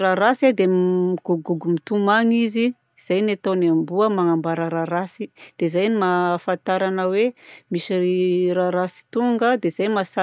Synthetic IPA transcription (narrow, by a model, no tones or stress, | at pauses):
ɾaɾasad̪emiɡ̥uɡuɡumit̪umaŋizi | iz̥ajnet̪anambuəmaŋambaɾəɾaɾasid̪̥ezajnimafant̪aɾanəwemisiiɾaɾasi̥t̪uŋɡəd̪ez̥ajmasa